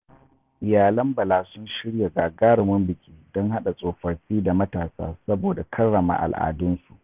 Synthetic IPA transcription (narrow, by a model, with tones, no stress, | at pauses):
ʔɪ˨jaː˨lɐ˦mbɐ˨laː˨sʊ˦nʃɪ˦ɽja˨ɡaː˨ɡaː˦ɽɪ˨mʊ˦mbɪ˨kʲiː˦dɔ˦ŋha˦ɗa˨sʼoː˨ɸɐ˨ɽɸiː˦da˨mɐ˦taː˨sa̰ː˦sɐ˦boː˨da˨kʰɐ˦rːɐ˨ma̰ː˨ʔa̰˨lʔa̰ː˨dʊ˦nsu̥˨ʔ